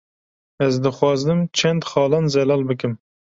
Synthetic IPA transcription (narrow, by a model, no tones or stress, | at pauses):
æzd̪ɨχwɑzd̪ɨmt͡ʃʰent̪χɑːlˠɑnzɛlɑlˠbɪkʲɪm